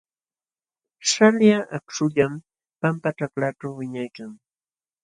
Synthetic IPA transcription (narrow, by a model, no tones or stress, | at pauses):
ʃaljaʔakʂʊʎam | pampaʈ͡ʂaklaʈ͡ʂawːɪɲajkaŋ